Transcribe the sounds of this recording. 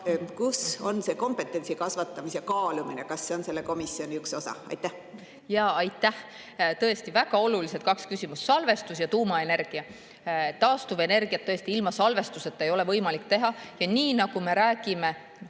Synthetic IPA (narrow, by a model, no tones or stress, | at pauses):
kuso̞nse̞ko̞mpe̞t̪ːˑe̞nsikɑsvɑt̪ːˑɑmisekɑːluminekɑsːeo̞nse̞lːeko̞misio̞nʲiykso̞sɑ̰ɑ̰jt̪ːˑæh | jɑːɑjt̪ːˑæh | t̪ɤ̞est̪ivæɡ̥ɑo̞luliset̪kɑkskysʲimussɑlve̞st̪usjɑt̪uːmɑe̞ne̞rɡ̥iɑ | t̪ɑːst̪uve̞ne̞rɡ̥iɑt̪ːɤest̪iilmɑsɑlve̞st̪use̞t̪ːˑe̞jo̞le̞vɤjmɑlik̚t̪e̞ɦɑjɑniːnɑɡ̥ume̞ɾæːɡ̥ime̞